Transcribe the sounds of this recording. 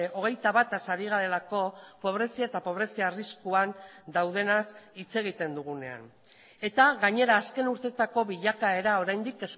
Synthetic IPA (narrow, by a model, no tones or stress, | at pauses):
o̞ɣ̞e̞jt̪aβat̪asaɾiɣ̞aɾe̞lako̞po̞β̞ɾe̞siaet̪apo̞β̞ɾe̞siaːriskuand̪awðe̞nasit͡se̞ɣ̞it̪e̞nd̪uɣ̞une̞̰a̰n | e̞t̪aɣaɲe̞ɾaːske̞nuɾt̪e̞t̪ako̞βiʎakae̞ɾao̞ɾajnd̪ike̞s